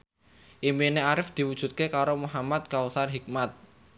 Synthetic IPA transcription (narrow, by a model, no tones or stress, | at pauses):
ʔimineaɾɪfd̪̥i̤wud̥ʒ̥ṳt̪̚kekaɾomuɦamat̪̚kawsarɦik̚mat̪̚